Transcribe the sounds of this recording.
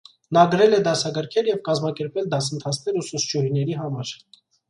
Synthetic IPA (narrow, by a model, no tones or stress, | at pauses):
nɑɡəɾɛlɛd̪ɑsɑɡəɾkʰɛljɛvkɑzmɑkɛɾpɛld̪ɑsənt̪ʰɑt͡sʰnɛɾususd͡ʒuhinɛɾiɦɑmɑɾ